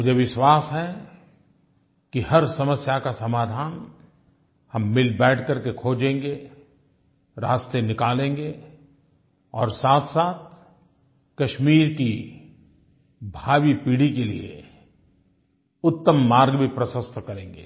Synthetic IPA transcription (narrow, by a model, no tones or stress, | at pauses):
mʊd͡ʒʱeʋɪʃwaːsɦɛ | kihɐɾsɐməsjakasɐmaːd̪ʱaːn | hɐmːɪlbɛːʈʰkɐɾkekʰoːd͡ʒẽːŋɡe | ɾa̰ːst̪enɪkaːlẽːŋɡe | ɔːɾsaːt̪ʰsaːt̪̚ʰ | kɐʃmiːɾki | bʱaːwipiːɽikelḭḛ | ʊt̪ːəmːaːɾɡbʱipɾəsə̃st̪ʰkɐɾẽːŋɡḛː